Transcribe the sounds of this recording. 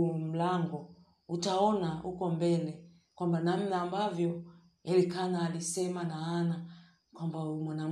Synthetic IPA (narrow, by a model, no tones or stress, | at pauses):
m̩laŋɡɔ | utaɔnahukɔmbɛlɛ | kwambanam̩naːmbavjɔ | jalikanaːlisɛmanaana | kwambaumwanam